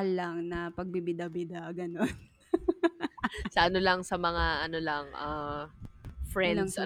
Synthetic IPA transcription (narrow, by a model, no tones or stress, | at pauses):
ɐlːaŋnɐpɐɡ̚bibɪd̪ɐbɪd̪aɡɐnon | sɐʔɐno̞lɐŋsɐmɐŋaʔɐnolɐŋʔa | fɹɛnŋsɐ